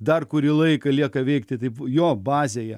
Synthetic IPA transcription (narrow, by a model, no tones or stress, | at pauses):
d̪ɐrkʊɾʲiːlˠɐɪkɐlʲiɛkɐʋʲɛɪkt̪ʲɪt̪ɐɪpjoːbɑːzʲejɛ